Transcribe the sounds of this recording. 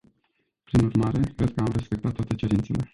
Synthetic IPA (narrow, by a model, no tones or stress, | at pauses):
pɾinurmaɾe̞kɾe̞d̪̚kəamre̞spe̞k̚t̪at̪ːwat̪e̞t͡ʃe̞ɾint̪se̞le̞̰